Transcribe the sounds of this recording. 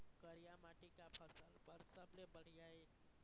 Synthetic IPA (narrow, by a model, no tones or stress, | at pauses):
kəɾijamaʈikapʰəsəlbəɾsəblebəɽ̤ijae